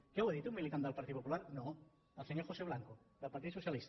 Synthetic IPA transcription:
keweðit̪umilit̪and̪əlpaɾt̪iðpopulaɾnõ | alseɲoɾxoseβ̞laŋkod̪əlpaɾt̪iðsousjalist̪ḁ

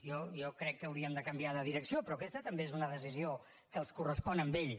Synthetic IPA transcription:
jɔjɔkɾɛkːəːwɾiəmd̪əkəmbiaðəðiɾəksiopɾɔkɛst̪ət̪əmbeezunəðəsizio | kəlˠskurəspɔnəmbeʎ

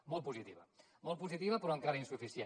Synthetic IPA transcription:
molˠpuzit̪iβa̰ | molˠpuzit̪iβapɾoaŋkaɾɐinsufisje

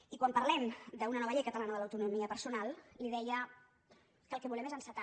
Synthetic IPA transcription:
ikwampəɾlɛmd̪əunənɔβəʎejkət̪əlanəðələwt̪unumiəpəɾsunalˠliðɛjə | kəlˠkɛβulɛmezənsət̪a

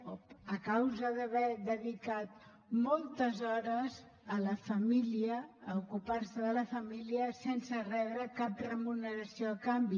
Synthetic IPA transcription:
oəkawzəðəβɛd̪əðikat̪̚ | mɔlˠt̪əzɔɾəz | ələfəmiliəːukuparsəðələfəmiliəsensərɛβɾəkap̚rəmunəɾəsioəkambi

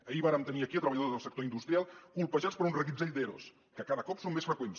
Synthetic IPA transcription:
əiβaɾəmt̪əniəkiət̪ɾəəʎəðoðəlˠsəkt̪oind̪ust̪ɾialˠkulˠpəʒat͡spəɾunrəɣizeʎʲd̪eɾo̰s | kəkaðəkɔpsomːesfɾəkwens

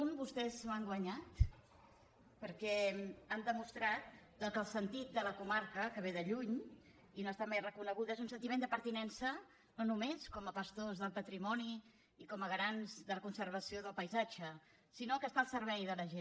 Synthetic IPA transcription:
umbust̪ɛzmaŋɡwəɲat̪ | pəɾkɛand̪əmust̪ɾat̪̚d̪əkəlˠsənt̪it̪̚d̪ələkumaɾkəkəβ̞eðəʎuɲ | inoəst̪amejrəkunəɣ̞uðezunsənt̪imend̪əpəɾt̪inɛnsə | nonumeskɔməpəst̪ozðəlˠpət̪ɾimɔniː | kɔməɣɾanzðələkunsəɾβ̞əsioðəlˠpəjzad͡ʒə | sinokəst̪aəlˠsəɾβɛjðələʒen

